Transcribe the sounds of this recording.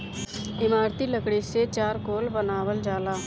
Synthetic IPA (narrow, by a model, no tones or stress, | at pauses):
ɪmaːɾt̪iləkɽiset͡ʃaːɾkoːlbənaːwəld͡ʒaːlaː